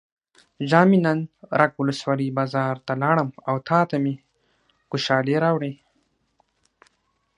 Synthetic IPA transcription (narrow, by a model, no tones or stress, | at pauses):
ʒɑːminanɾʔakwʊləswɑlibɑːzɑːɾt̪alɑːɽəmawt̪ʰɑːt̪ami | xʊʃɑːleɾɑwɽe